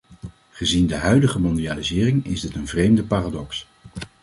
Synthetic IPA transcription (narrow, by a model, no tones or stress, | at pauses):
χəzindəɦœɥdəχəmɔndiaːlizɪːrɪŋɪ̰zdɪtənvrejmdəpaːraːdɔks